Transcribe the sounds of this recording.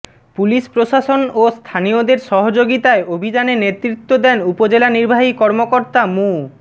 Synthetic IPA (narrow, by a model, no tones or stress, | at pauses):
puliʃpɾoʃaʃonost̪ʰaniod̪eɾʃɔɦod͡ʑoɡit̪aeobʱid͡ʑanenet̪ːɾit̪ːod̪ɛnupod͡ʑelaniɾbʱaɦikɔɾmokoɾt̪amu